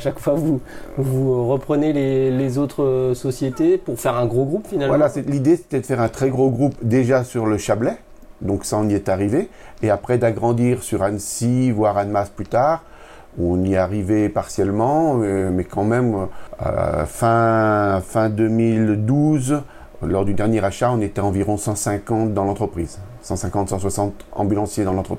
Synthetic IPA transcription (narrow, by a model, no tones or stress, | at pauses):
ʃakfwavuvuʁəpχənelelezot̪χəsɔsjet̪epuʁfɛʁɛ̃ɡʁoɡʁupfinalvwalaselid̪ese̥t̪ɛd̪əfɛʁɛ̃t̪χɛɡʁoɡʁupd̪eʒasyʁləʃablɛ | d̪ɔ̃ksaɔ̃niɛt̪aʁiveːapχɛd̪aɡʁɑ̃d̪iʁsyʁansivwaʁanmasplyt̪aːʁ | ɔ̃niaʁivɛpaʁsjɛlmɑ̃mɛkɑ̃mɛmøø̰fɛ̃fɛ̃d̪ømild̪uz | lɔʁd̪yd̪ɛʁnjɛʁaʃaɔ̃net̪ɛɑ̃viʁɔ̃sɑ̃sɛ̃kɑ̃t̪̚d̪ɑ̃lɑ̃t̪χəpχiːz | sɑ̃sɛ̃kɑ̃t̪sɑ̃swasɑ̃t̪ɑ̰̃bylɑ̃sjed̪ɑ̃lɑ̃t̪χəpi